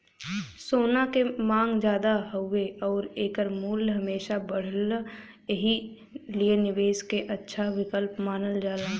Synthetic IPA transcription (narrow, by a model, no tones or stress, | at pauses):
soːnakemãːŋɡd͡ʒjaːd̪aɦʊeɔːɾeːkəɾmuːlɦəmeːʃabəɽ̤əl | eɦi | lienɪʋeːskeʔətːʃʰaʋɪkəlpmaːnəld͡ʒaːlaː